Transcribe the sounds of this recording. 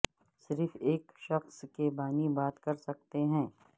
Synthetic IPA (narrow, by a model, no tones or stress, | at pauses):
sɪɾfeːkʃɐxskebaːnibaːt̪kɐɾsɐk̚t̪eɦɛ̃ː